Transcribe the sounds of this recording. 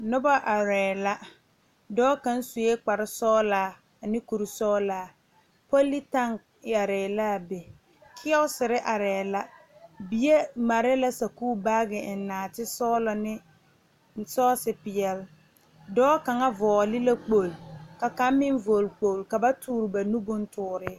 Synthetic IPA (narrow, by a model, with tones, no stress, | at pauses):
nʊ˦ba˦ʔa˨ɾɛː˨la˦ | dɔː˦ka˦n˦su˨je˦k͡pa˨ɾɪ˦sɔː˦laː˦˨ | nɪ˦ku˨ɾi˨sɔː˦laː˨˦ | po˦li˦ta˦ŋ | ja˨ɾɛː˨laː˦˨be˨ | kʰɪ˦ɔ˦sɪ˨ɾɪ˦ʔa˨ɾɛː˨la˦bi˨je˦ma˨ɾɪ˦la˦sa˨kuː˦ba˦ɡɪ˨ɪ˨nː˦aː˨tɪ˦sɔː˦lɔ˨nɪ˦ | sɔː˦sɪ˨pɪ˨ɛ˨l | dɔː˦ka˨ŋa˦vɔː˨a˨li˦la˦k͡po˨lka˨ka˦m˦mɪ˦ɱvo˨lk͡po˨lka˨ba˦tʰuː˦ɾɪ˨ba˨nu˦bʊ˦n˦tʊː˨˦˨ɾɪ˦